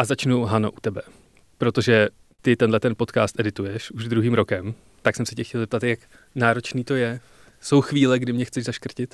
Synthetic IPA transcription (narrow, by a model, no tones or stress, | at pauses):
ʔazat͡ʃnuɦano̞̰ʔut̪ɛbɛ | pɾo̞t̪o̞ʒɛ | t̪ɪt̪ɛndlɛt̪ɛnpo̞t̪kaːst̪ʔɛdɪt̪ujɛʃuʒd̪ɾuɦiːmɾo̞kɛm | t̪aksɛmsɪcɛxcɛlzɛp̚t̪at̪jak | naːɾo̞t͡ʃniːt̪o̞jɛ | so̞wxviːlɛɡdɪmɲɛxt͡sɛʒzaʃkr̩cɪt̪